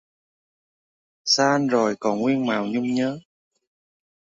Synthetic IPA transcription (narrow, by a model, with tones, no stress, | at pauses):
saː˧ʔnzo˨˩jkɔ˨˩nŋwi˧ənmaː˨˩wɲʊ˧ŋ͡mɲəː˨˦